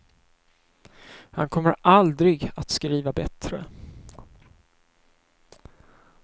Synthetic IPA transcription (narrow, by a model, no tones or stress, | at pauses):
hankʰɔmːəɾʔald̪ɾɪɡat̪skɾiːvabɛt̪ɾə